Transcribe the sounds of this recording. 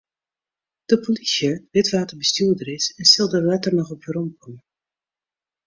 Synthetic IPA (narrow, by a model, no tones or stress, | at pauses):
d̥əpolisjəʋɪtʋaːtəɹbəstyːdəɾɪsɛnsɪlˠdəʋaːtərnɔχɔpjərɔmkɔmə